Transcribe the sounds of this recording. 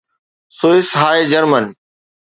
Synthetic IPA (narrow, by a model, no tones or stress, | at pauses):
soːɪsɦaːed͡ʑəɾmən